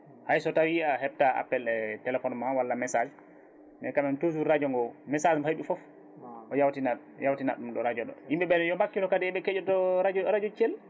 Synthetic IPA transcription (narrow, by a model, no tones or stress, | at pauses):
hajsɔtawiahɛb̚taa̰pːɛlɛtɛlɛfɔnmawalːamɛsad͡ʒ | nɛkamɛntosuɾad͡ʒɔŋɡɔmɛsad͡ʒmhajɓifɔf | ʔɔjawtina | jawtina̰ɗumɗɔɾad͡ʒɔɗɔ̰himɓɛɓɛnɛjɔmakːitɔkadɛɛɓɛkɛd͡ʒɔtɔɾad͡ʒɔɾad͡ʒɔt͡ʃel